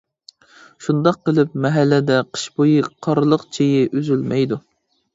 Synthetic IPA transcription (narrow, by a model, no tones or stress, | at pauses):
ʃund̪ɑqːəlˠɨp̚mɛɦɛlːɪd̪ɛqʰə̥ʃbojɨqʰɑɾɨlˠəqt͡ʃʰejɪʔyzylmɛjd̪u